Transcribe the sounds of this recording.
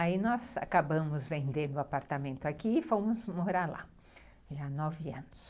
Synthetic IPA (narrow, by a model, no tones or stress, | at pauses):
ainɔza̰kabɐ̃mʊzvẽnd̪ẽd̪ʊapaɾt̪amẽnt̪ʊakiɪfõmʊzmoɾaɾla̰ | ʒanɔvɪɐ̃nʊs